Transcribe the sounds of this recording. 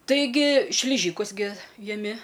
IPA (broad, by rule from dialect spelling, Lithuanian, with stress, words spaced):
tɐɪˈɡʲɪ ʃʲlʲɪˈʒʲiːkʊs ɡʲɪ jɛˈmʲɪ